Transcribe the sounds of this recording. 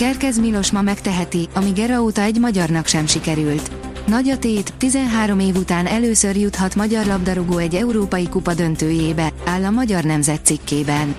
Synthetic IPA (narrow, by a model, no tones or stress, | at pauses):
kɛrkɛzmilo̞ʃmɒmɛkt̪ɛɦɛt̪iɒmiɡɛɾɒoːt̪ɒɛɟmɒɟɒrnɒkʃɛmʃikɛɾylt̪ | nɒɟɒt̪eːt̪ːizɛnɦaːɾo̞meːvut̪aːnɛløːsø̞rjut̪hɒt̪mɒɟɒrlɒbd̪ɒɾoɡoːɛɟːɛuɾoːpɒjikupɒd̪ø̞nt̪øːjeːbɛaːlːɒmɒɟɒrnɛmzɛt̪sikːeːbɛn